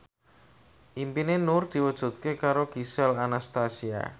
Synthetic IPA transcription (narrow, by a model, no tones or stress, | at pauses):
ʔimpinenʊrd̪̥i̤wəd̥ʒ̥ṳt̪̚kekaɾoɡ̥isɛlanast̪asia̰